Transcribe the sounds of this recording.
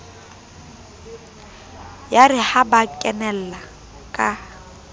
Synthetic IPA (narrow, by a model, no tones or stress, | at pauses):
jarɪhabakʼɛnɛl̩la | kʼa